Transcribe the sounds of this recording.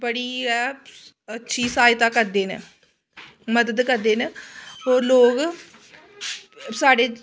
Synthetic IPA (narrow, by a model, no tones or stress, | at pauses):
bəɽiːɛː | ətːʃʰiːsaːjt̪aːkəɾd̪eːnḛ | məd̪əd̪kəɾd̪eːneɦoːɾloːɡ | saːɖeː